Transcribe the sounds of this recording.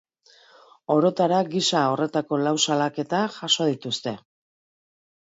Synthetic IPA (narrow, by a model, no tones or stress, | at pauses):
o̞ɾo̞t̪aɾaɡisao̞re̞t̪ako̞lawsalake̞t̪aʝaso̞ð̞it̪ust̪e̞